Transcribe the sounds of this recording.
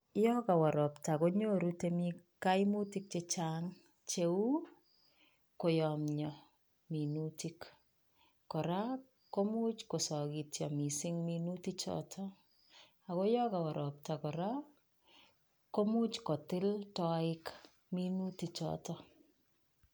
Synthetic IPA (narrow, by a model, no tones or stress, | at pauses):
jɔkawaɾɔptakoɲoɾutemi | kaimutik̚t͡ʃet͡ʃaːŋ | t͡ʃeu | kojɔmɲɔ | minutik | kɔɾa | komut͡ʃkosɔkitjɔmisɪŋminutit͡ʃɔ̰tʰɔ | akojɔkawɔɾʔɔp̚takɔɾa | komut͡ʃkɔtɪltɔɪk | minutit͡ʃɔ̰tɔ